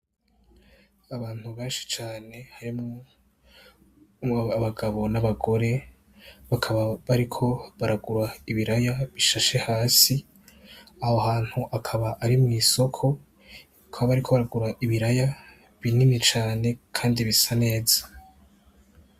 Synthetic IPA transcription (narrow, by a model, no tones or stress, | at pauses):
aβaːn̥huβeːnʃi̥t͡ʃaːne̞haɾimo | βaɡaβo̞naβaɡo̞ɾe̞ | βakʰaβaβaɾikʰo̞βaɾaɡuɾaiβiɾajaβiʃaʃe̞haːsi | ahoɦaːn̥huʔakʰaβaʔaɾimŋiːso̞kʰo̞ | kʰaβaβaɾikʰo̞βaɾaɡuɾaʔiβiɾaja | βininit͡ʃaːne̞kʰaːndiβisane̞ːzḁ